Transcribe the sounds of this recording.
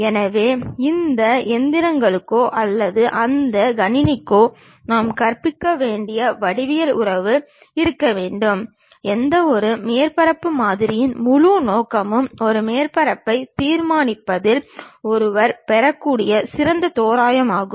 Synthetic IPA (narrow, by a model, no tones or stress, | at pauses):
ɛnɐʋeːɪnd̪ɐɛnd̪ɪɾɐŋɡɐɭɯkːoːʔɐlːɐðɯʔɐnd̪ɐɡɐnɪnɪkːoː | naːmkɐɾpɪkːɐʋeːɳɖɪjɐʋɐɽɪʋɪjɐlʊ̰ɾɐʋɯ | ɪɾɯkːɐʋeːɳɖɯm | ɛnd̪ɐɔɾɯmeːɾpɐɾɐpːɯmaːðɪɾɪjɪnmʊɻunoːkɐmɯmɔɾɯmeːɾpɐɾɐpːɐɪt̪iːɾmaːnɪpːɐðɪlɔɾɯʋɐɾpɛɾɐkːuːɽɪjɐsɪɾɐnd̪ɐt̪oːɾaːjɐmaːɣɯmm